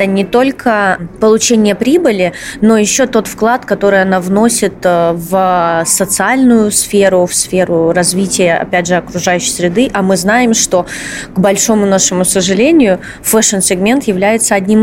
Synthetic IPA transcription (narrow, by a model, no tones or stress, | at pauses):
ənʲɪt̪o̞lʲkʰəpəlˠʊt͡ɕenʲɪjəpɾʲibɨlʲɪno̞jɪɕːo̞t̪o̞t̪fklˠat̪kɐt̪o̞ɾɨjɐnavno̞sʲɪt̪vsət̪sɨalʲnʊjʊsfʲeɾʊfsfʲe̞ɾʊrɐzvʲitʲɪjəɐ̰pʲædʲʐɨɐkɾʊʐajʉɕːɪjsʲɾʲɪd̪ɨʔɐmɨznajɪmʂt̪o̞ɡbɐlʲʂo̞mʊnaʂɨmʊsəʐɨlʲenʲɪjʊ | fɛʂɨnsʲɪɡmʲe̞nt̪jɪvlʲæjɪt̪səɐdʲnʲim